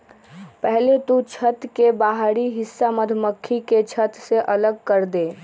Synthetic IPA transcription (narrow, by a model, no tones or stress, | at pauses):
pɛɦlet̪ut͡ʃʰət̪kebaɦɾiɦɪsːaməd̪ʱməkʰːiket͡ʃʰət̪seʔələɡ̚kəɾd̪e